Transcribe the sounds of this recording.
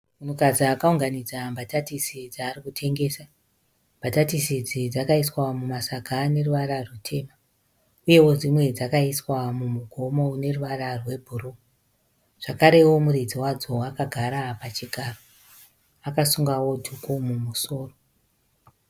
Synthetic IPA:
munukad͡ziakauŋɡanid͡zambʱatatisid͡zaːrikutʰe̞ŋɡe̞ːsa | mbʱatatisid͡zid͡zakaiswamumasaɡʱane̞ruʋaɾarwutʰe̞ːma | uje̞wo̞d͡zimwe̞d͡zakaiswamumuɡʱo̞mo̞ne̞ruʋararwe̞bʱuru | ʐ̥akaɾe̞wo̞murid͡ziwad͡zo̞wakaɡʱaɾapat͡ʃiɡʱaːro | akasuŋɡawo̞dʱukumumuso̞ːro̞

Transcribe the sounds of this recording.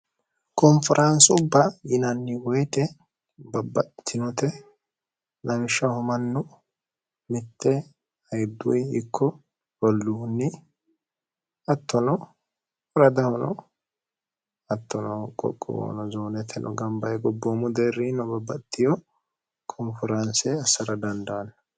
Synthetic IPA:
kɔmfɪɾʔɐnsʊbːɐjɪnɐnːɪwɔjt̪ɛ | bɐbːɐt̪ʰːɪnɔt̪ɛ | nʔɐmɪʃːɐhʊmɐnːʊ | mɪt̪ːɛ | ɐjd̪ʊ̰jɪkʰːɔ | bɔlːunːɪ | ɐt̪ʰːɔnɔ | ɔɾɐd̪ɐhɔnɔ | ɐt̪ːɔnɔkʼɔ̰kʼːɔ̰wo̰ːnɔzoːnɛt̪ʰːɛnʔɔ̰ɡɐmbɐjɡɔbːomʊd̪erinɔbɐbːɐt̪ːɪjɔ | kʰɔnfɔɾɐnsɛɐsɐɾɐd̪ɐnd̪ɐwɐnːɐ

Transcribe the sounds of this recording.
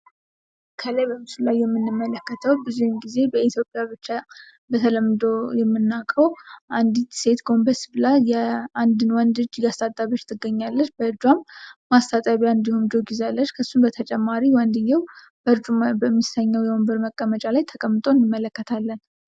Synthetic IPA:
kʰələjbəmɨsɨllajːɛmːɨnːɨmːələkːət̪ʰəwbɨzujmɡize̞bəit̪ʰjopʼjaβɨt͡ʃːa | bət̪ʰələmːɨd̪o̞jɛmːɨnːakʼəwʔand̪it̪se̞t̪ɡo̞mbəɾsblajjɛand̪ɨnwɔnd̪ɨd͡ʒɡast̪ʰʼat̪ʼːaβot͡ʃːt̪ʰɨɡːəɲːalːət͡ʃbəɨɾd͡ʒuamːast̪ʰʼat̪ʼaβiand̪ihumd͡ʒo̞ɡizealːət͡ʃːkʰəsːunbət̪ʰət͡ʃʼɛmːaɾiwɔnd̪ɨjːɛw | b̥əɾd͡ʒubəmːisəɲːəwjɛombəɾməkʼːəmət͡ʃʼalajt̪ʰəkʼəmːɨt̪ʼo̞nːɨmːələkːət̪ʰalːən

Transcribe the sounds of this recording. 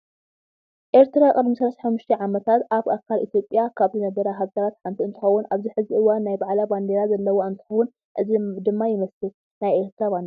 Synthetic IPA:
ʔe̞ɾt̪ʰɾakʼɨd̪misɐlɐsaħamːʊʃt̪ʰeʕamɐt̪ʰat̪ʔaβʔakʰalʔit̪ʰjo̞pʼjakʰaβzɨnɐbɐɾɐɦazɐɾat̪ħant̪ʰiɨnt̪ʰɨ̥xɐwːunʔaβziħɨziʔɨwanːajbaʕlaband̪eɾazɐlːɐwoɨnt̪ʰɨ̥xɐwːʊn | ʔɨzd̪ɨmːajɪmɐslu | najʔe̞ɾt̪ʰɾaband̪

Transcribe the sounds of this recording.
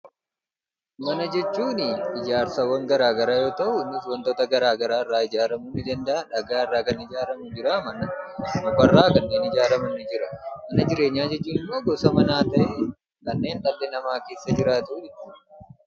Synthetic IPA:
mɐnɐd͡ʒɛt͡ʃːuːnɪɪd͡ʒaːɾsɐwːɐŋɡɐɾaːɡɐɾaːjo̞ːt̪ɐʔʊnːɪswɐnt̪oːt̪ɐɡɐɾaːɡɐɾaːɪrːaːɪd͡ʒaːɾɐmunɪd͡ʒɐnd̪ɐɐᶑɐɡaːɪrːaːkɐnɪd͡ʒaːɾɐmʊd͡ʒɪɾaːmɐnɐsɐmɐfɐrːaːkɐnːe̞ːnɪd͡ʒaːɾɐmɐnːɪd͡ʒɪɾɐmɐnɐd͡ʒɪɾe̞ːɲːaːd͡ʒɛt͡ʃːuːnɪmːoːɡɔsɐmɐnaːt̪ɐʔɛ | kɐnːe̞ːnᶑ̪ɐlːɛnɐmaːke̞ːsːɐd͡ʒɪɾaːt̪uːɛ

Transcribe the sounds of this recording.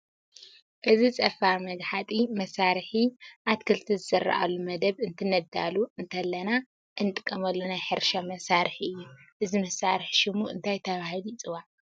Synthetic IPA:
ʔɨzit͡sʼɐfaɾmɐɡħat̪ʼimɐsaɾħiʔat̪kʰɨlt̪ʰizɨzɐrːɐ̰ʔa̰lumɐd̪ɐβɨnt̪ʰɨnɐd̪a̰luɨnt̪ʰɐlːɐna | ʔɨnɨt̪ʼɨkʼːɐmɐlːonajħɨɾʃamɐsaɾħiɨjːuʔɨzimɐsːaɾɨħʃɪmuɨ̰nt̪ʰajt̪ʰɐβahɨlit͡sʼɨwa

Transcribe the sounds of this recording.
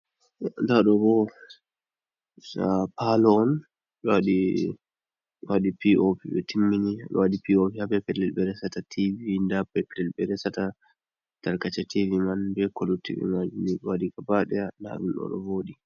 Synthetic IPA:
ndaɗɔɡɔ | sapalɔːn | ɗɔwaɗi | waɗipiopiɓɛ̰timːiniɗɔ̰waɗipiopihabɛpɛlɛlɓɛɾɛsatatʰivindabɛpɛlɛlbɛɾɛsata | taɾkat͡ʃativimanbɛkolutḭvḭmad͡ʒuniɗɔwadikabaɗɛanda̰ɗunɗɔ̰ɗɔ̰voːɗi

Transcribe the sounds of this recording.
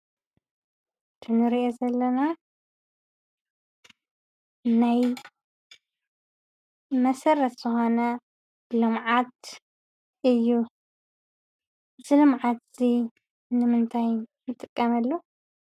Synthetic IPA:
t̪ʰɨnɨɾiʔezɐlːɐna | naj | mɐsɐrːɐt̪z̥ɨxo̞nɐ | lɨmʕat̪̚ | ʔɨjːu | zɨlɨmʕat̪z̥i | nɨmɨnt̪ʰajnɨt̪ʼɨkʼːɐmɐlːo

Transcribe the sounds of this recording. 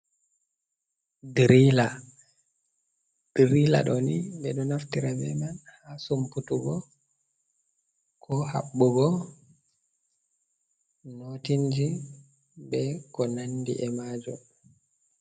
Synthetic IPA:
dɾila | d̥ɾila̰ɗɔniɓɛɗɔnaftiɾabɛ̰manhasumputuɡɔ | kʰɔha̰ɓːuɡɔ | notind͡ʒi | bɛkɔnandḭʔɛmaːd͡ʒɔ̰

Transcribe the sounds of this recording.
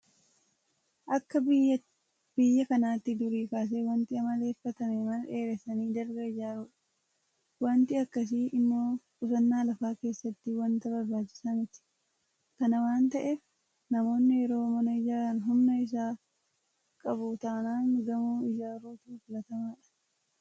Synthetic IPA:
ʔɐkːɐ | b̥ɪjːɐkɐnaːt̪ːɪd̪ʊɾiːkaːs̬eːwɐnt̪ɪɐmɐle̞ːfːɐt̪ɐmemɐneːɾɛsɐniːd̪ɐɾɡɐɪd͡ʒaːɾuːᶑɐ̥ | wɐnt̪ɪɐkːɐs̬iʔɪmːoːkʼʊsɐnːaːlɐfaːke̞ːsːɐt̪ːɪwɐnt̪ɐbɐɾbaːt͡ʃːɪ̥sanɪt̪ːɪ̥ | kɐnɐwaːnt̪ɐʔef | nɐmo̞ːnːɪjɛɾo̞ːmɐnɐɪd͡ʒaːɾɐnɦʊmnɐɪs̬aː | kʼɐbut̪aːnaːŋɡɐmuːɪd͡ʒaːɾuːt̪uːfʊlɐt̪ɐmaːᶑɐ̥

